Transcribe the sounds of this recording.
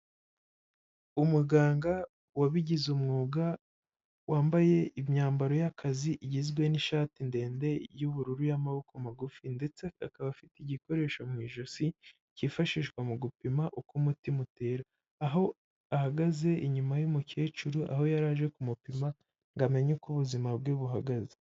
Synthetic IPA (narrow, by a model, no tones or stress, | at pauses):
umuɡaːŋɡa | waβiɟizumŋuːɡa | wʔaːmbaje̞ʔimɲaːmbaɾo̞jakʰaziʔiɟizɡwe̞niʃaːtinde̞ːnde̞juβuɾuɾujamaβokomaɡufinde̞t͡se̞akaβafitiɟiko̞ɾe̞ːʃomŋiːʒosi | cifaʃiʃɡwamuɡupimaʔukumutimute̞ɾaː | ɦo̞ | ahaɡaze̞ʔiɲumajumuce̞ːt͡ʃuɾuʔa̰ho̞jaɾaːʒe̞kumupima | ŋɡame̞ɲekuβuzimabɡeβuɦaɡaze